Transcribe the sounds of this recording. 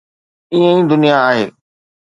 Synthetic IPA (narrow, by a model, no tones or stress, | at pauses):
iə̃ĩːd̪ʊnijaːɦeː